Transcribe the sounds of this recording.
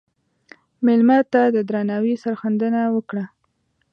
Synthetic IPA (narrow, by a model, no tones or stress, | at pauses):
mɪlmɑt̪ːad̪əd̪ɾɑnawisaɾxand̪ənawəkɽa